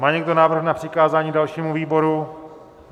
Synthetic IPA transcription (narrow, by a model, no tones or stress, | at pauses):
maːɲɛɡdo̞naːvr̩xnapr̥ɪkaːzaːɲiːdalʃiːmuviːbo̞ɾu